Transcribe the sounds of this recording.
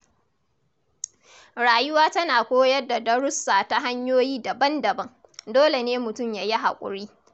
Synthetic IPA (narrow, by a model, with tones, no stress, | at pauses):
ɾaː˨jʊ˦waː˦tɐ˦naː˨kʷoː˦jɐ˦rda˨dɐ˦ɽʊ˦sːaː˨ta˦ɦa˦ɲjoː˦jiː˦dɐ˨bɐ˦ndɐ˨bɐ˦ŋ | doː˦le˨neː˦mʊ˨tʊ˦˨mjaː˨ji˦ɦa̰˨kʷʼʊ̰˨ɽiː˦